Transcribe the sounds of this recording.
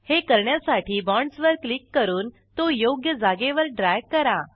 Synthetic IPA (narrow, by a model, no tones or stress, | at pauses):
hekəɾɳjasaʈʰiːbɔɳɖsʋəɾklikːəɾuːn | t̪ojoɡjəd͡zaɡeʋəɾɖɾajɡkəɾa